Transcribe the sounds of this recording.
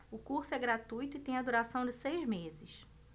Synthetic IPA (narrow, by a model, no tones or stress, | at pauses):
ʊkuχsʊɛɡɾat̪ujt̪ʊɪt̪ẽj̃ɐd̪uɾasɐ̃w̃d͡ʒɪsejzmezɪʃ